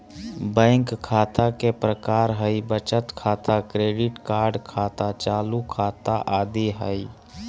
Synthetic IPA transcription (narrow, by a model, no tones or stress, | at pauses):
bə̃ɪŋkkʰat̪akepɾəkaɾɦəjbət͡ʃət̪kʰat̪akɾeɖiʈkaɾɖkʰat̪at͡ʃalukʰat̪aʔad̪iɦə̰j